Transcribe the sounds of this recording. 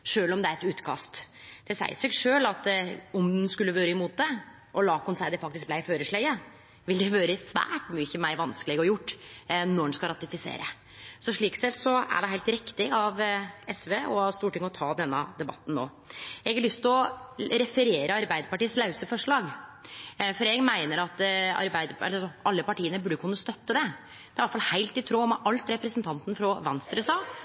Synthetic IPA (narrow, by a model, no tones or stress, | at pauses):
ʂøːlɔmd̪ɛæɾɛt̪ʉːt̪kʰɑ̰st̪ | d̪̥ɛsæ̰ɪsɛɡʂøːlɑt̪ɔnd̪nskʉlːəʋøːɾəɪmuːt̪̚d̪ɛ | ʔɔlɑːkɔnsæɪd̪ɛfɑk̚t̪ɪsk̚blæɪføːɾəʂɭæɪə | ʋɪld̪ɛʋøːɾəsʋæ̰ːʈmyːçəmæɪɾʋɑnskəlɪɡəɔjʊʈːnɔɖnskɑɾɑt̪ɪfɪsḛːɾə | sɔʂɭiːksɛt̪sɔæ̰ɖɛɦæɪlt̪ɾɪkt̪ɪɑʋɛsʋeːʔɔɑʋst̪uːʈʰɪŋːɔt̪ʰɑːd̪ɛnːəd̪ɛbɑ̰t̪ːn̩no̰ː | ɛɡɑɭʏst̪lɔɾɛfəɾeːɾəɑɾbæɪd̪əpɑʈiːəslɑʉsəfɔʂɭɑːɡ | fɔɾɛɡmæɪnəɾɑt̪ɑ̰ɾbæɪd̪əɛ̰lːəsɔʔɑlːəpɑʈiːənəbʉɖːəkʰʉnːəst̪œt̪ːəd̪ɛ | d̪ɛæɾʋæʈ̪fɑlhæɪlt̪ɪt̪ʰɾoːmɑʔɑlt̪ɾɛpɾəsənt̪ʰɑnt̪n̩fɾɔʋɛnst̪ɾɛsɑː